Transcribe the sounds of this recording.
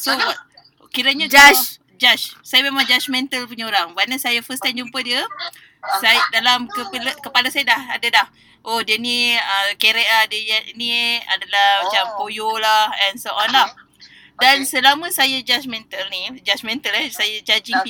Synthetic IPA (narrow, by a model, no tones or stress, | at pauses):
soa | kiɾəɲad͡ʒa | d͡ʒaʃsajamemãŋd͡ʒat͡ʃmɛ̃nt̪əlpəɲoɾaŋbanasajafəst̪and͡ʒumpədiə | sajdalamkəpəlkəpalasajadaha̰dadah | ʔohdiəniəkeɾɛʔ̚lahdəjnia̰dalahmat͡ʃampojolahɛnsoʔɔnlah | dansəlamə̃sajad͡ʒat͡ʃmɛ̃nt̪əlnid͡ʒat͡ʃmɛnt̪əlɛsajad͡ʒad͡ʒiŋp